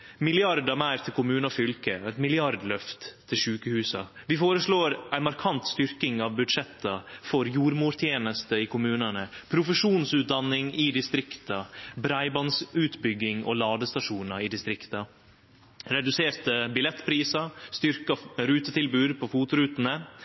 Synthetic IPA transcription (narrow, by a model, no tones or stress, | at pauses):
mɪlɪɑɾd̪ɑmæɪɾt̪ʰɪlkʊmʉːnɑfʏlkəɛt̪mɪlɪɑɾd̪lœft̪ʰːɪlʂʉːkəhʉːsɑʋɪfoːɾəʂɭoːɾæɪnmɑɾkʰɑnt̪st̪ʏɾkɪŋɑʋbʉd̪ʂɛt̪ːɑfɔɾjuːɾmuːɾt̪ʰjeːnəst̪əɪkʰʊmʉːnənəpʰɾʊfəʂuːnsʉːt̪̚d̪ɑnɪŋɪd̪ɪst̪ɾɪkt̪ɑbɾæɪbɑnsʉːt̪bʏɡːɪŋo̰lɑːd̪əst̪ɑʂuːnɑɾɪd̪ɪst̪ɾɪkt̪ɑ | ɾɛd̪ʉseːɾt̪əbɪlɛt̪ːpʰɾiːsɑst̪ʏɾkɑɾʉːt̪ət̪ʰɪlbʉːd̪pʰɔfuːt̪ʊɾʉːt̪ənə